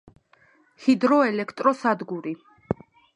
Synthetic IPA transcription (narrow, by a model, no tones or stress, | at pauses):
hid̪ɾɔɛlɛkʰt̪ʼɾɔsad̪ɡuɾi